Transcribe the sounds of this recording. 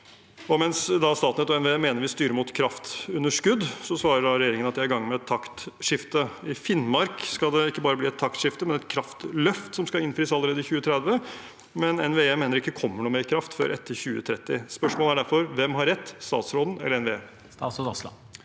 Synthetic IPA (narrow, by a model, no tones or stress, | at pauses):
ɔmɛnsd̪ɑst̪ɑːt̪nət̪ɔɛnʋeeːmeːnəɾʋɪst̪yːɾəmʊt̪kʰɾɑft̪ʉnːəʂkʉd̪sɔsʋɑːɾəɖɑɾɛjeːɾɪŋənɑt̪d̪ɛæɾɡɑŋːnmɛɛt̪ʰːɑkt̪ʂɪft̪əɪfɪnmɑɾkskɑld̪ɛɪkːəbɑːɾəbliːɛt̪ʰːɑkt̪ʂɪft̪əmɛnɛt̪kʰɾɑft̪lœft̪sɔmskɑɪnfɾiːsɑlːəɾeːd̪əɪçʉːət̪ʰɾɛd̪ʋə | mɛnɛnʋeːemeːnəɾɪkːəkʰɔmːəɳuːmeːɾkʰɾɑft̪fø̰ːɾʔɛt̪ʰːəɾçʉːə̰t̪ʰɾɛt̪ːɪspœʂmoːləæɖæɾfɔɾʋɛmɦɑɾːɛt̪ːst̪ɑ̰ːt̪sɾoːd̪n̩ɛ̰lːəɾɛnʋeeː